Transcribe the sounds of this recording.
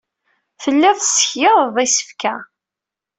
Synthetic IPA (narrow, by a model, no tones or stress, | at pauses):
θəlːæθsəçjɪððˤisə̥fkæ